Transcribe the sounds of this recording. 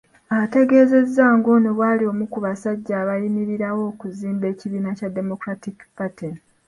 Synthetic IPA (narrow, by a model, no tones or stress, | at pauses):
aβate̞ɡe̞ːze̞zːaːŋɡo̞neβwaːlio̞mukuβasaɟːaːβajimiɾiɾawo̞ːkuziːmbe̞ːciβiːnacadːe̞mo̞kɾatikpati